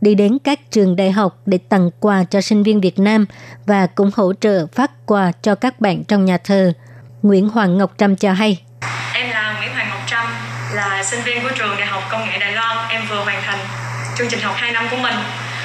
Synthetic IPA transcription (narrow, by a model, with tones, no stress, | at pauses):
ɗi˧ɗe˨˦nkaː˦˥k̚t͡ɕɨ˨˩əŋɗa̰ː˧˨jɦa˨˩wk͡p̚ɗe˧˩t̪ə˨˩ŋkwaː˨˩t͡ɕɔ˧sï˧ŋ̟vi˧nvi˨˩ət̚naː˧mvaː˨˩kʊ̰˧˥ŋ͡mho̰˧˥t͡ɕə̰ː˧˨faː˦˥t̚kwaː˨˩t͡ɕɔ˧kaː˦˥k̚ɓa̰ː˧˨nt͡ɕɔ˧wŋ͡mɲaː˨˩t̪ʰəː˨˩ | ŋwḭ˧˥ənɦwaː˨˩ŋːə˨˩wk͡p̚t͡ɕa˧mt͡ɕɔ˧ɦa˧j | ʔɛ˧mlaː˨˩ŋwḭ˧˥ənɦwaː˨˩ŋə˨˩wk͡p̚t͡ɕa˧mlaː˨˩sï˧ŋvi˧ənku˧˩ət͡ɕu˨˩əŋɗa̰ː˧˨jɦa˨˩wk͡p̚kə˧wŋ͡mŋḛ˧˥ɗa̰ː˧˨jlɔ˧nʔɛ˧mvɨ˨˩əɓwaː˨˩nt̪ʰa˨˩ŋ̟ | t͡ɕʊ˧ŋ͡mt͡ɕï˨˩ŋ̟ɦa˨˩wk͡p̚haː˧jna˧mku˧˩əmï˨˩ŋ̟